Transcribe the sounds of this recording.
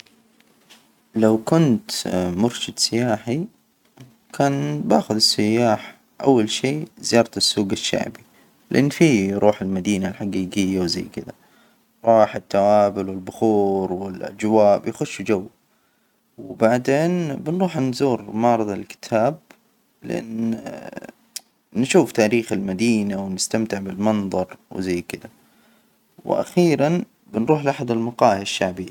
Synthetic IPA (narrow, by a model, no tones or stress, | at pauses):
lawkʊnt̪mʊɾʃɪd̪sɪjaːħi | kʰaːnba̰ːxʊðɪsːɪjːaːħa | ʔa̰wːalʃiːzɪjɑːɾˤt̪ɪsːuːɡaʃːa̰ʕbi | lɪʔanːfiːɾˤʔuːħɪlmad̪iːnalħaɡiːɡɪjːawza̰jːkɪd̪ða̰ | ɾˤɑːħɪt̪ːawaːbɪlwɪlbʊxuːɾwɪlʔa̰d͡ʒwaːʔbjaxʊʃːd͡ʒawː | wɪbaʕd̪eːnbɪnɾuːħnzuːɾmɑːɾˤɨðˤɑlkɪ̥t̪ʰaːb̚ | lɪ̰ʔa̰nː | nʃuːft̪aːɾiːxɪlmad̪iːnawnɪst̪amt̪ɪʕbɪlmɑnðˤɑɾˤwɪzajːkɪd̪a | wɪ̰ʔa̰xiːɾan | bɪnɾuːħlʔaħad̪ɪlmɑqɑːhaʃːaʕbɪjːa